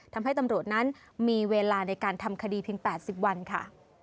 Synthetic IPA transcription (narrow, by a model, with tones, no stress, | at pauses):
t̪ʰa˧mɦa˥˩jt̪a˧mɾu˨˩ət̪̚na˦˥n | miː˧weː˧laː˧na˧jkaː˧nt̪ʰa˧mkʰa˧diː˧pʰi˧əŋpɛː˨˩t̪̚si˨˩p̚wa˧nkʰa̰˥˩